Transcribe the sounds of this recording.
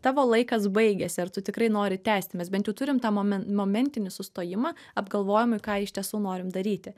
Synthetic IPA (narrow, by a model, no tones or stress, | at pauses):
t̪ɑːʋoːlˠɐɪkɐsbɐɪɡʲɛsʲɪɐrt̪ʊt̪ʲɪkɾɐɪnoːɾʲɪt̪ʲæːsʲt̪ʲɪmʲɛsbʲɛnt̪jɛʊt̪ʊɾʲɪmt̪ɑːɛmoːmʲɛnʲt̪ʲɪnʲɪsʊst̪oːjɪmɑ | ɐbɡɐlˠʋoːjɪmʊɪkɑːɪʃʲt̪ʲiɛsuːnoːɾʲɪmd̪ɐɾʲiːt̪ʲɪ